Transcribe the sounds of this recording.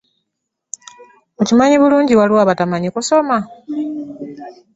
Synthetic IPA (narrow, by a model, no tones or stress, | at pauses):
ocimaɲiβuluːɲɟiwaliwaːβatamaɲikuso̞ma